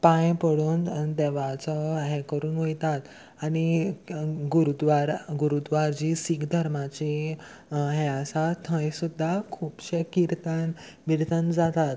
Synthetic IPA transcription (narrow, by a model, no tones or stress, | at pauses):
pãjpəɽuːnd̪ɛʋat͡sɔɦɛkəɾuːnʋojt̪at̪ | añi | ɡuɾud̪ʋaɾɡuɾud̪ʋaɾd͡ʑisikd̪ʱəɾmat͡ɕi | ɦɛəsat̪ʰə̃jsud̪ʱːakʰuːpɕəkiɾt̪an | biɾt̪ənd͡zat̪at̪